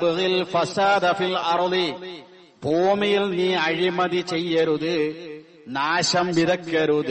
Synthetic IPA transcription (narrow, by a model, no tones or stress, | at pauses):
bɨɣilfɐsaːd̪ɐfilɐɾði | poːmijilniːɐɻimɐðit͡ɕejːɐɾuðɨ | naːɕɐmbiðɐkːɐɾuðɨ